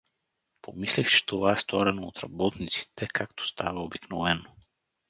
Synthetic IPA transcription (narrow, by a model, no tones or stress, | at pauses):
pʰomislɛxt͡ʃɛ̥t̪ovaɛst̪vɔɾɛnoot̪ɾa̰bɔt̪nit̪si̥t̪ɛkʰakt̪o̥st̪ʰavaobiknovɛno